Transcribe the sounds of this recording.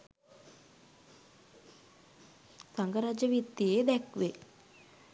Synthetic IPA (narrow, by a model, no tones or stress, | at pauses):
saŋɡəɾad͡ʒəʋit̪ːijed̪ɛkʋe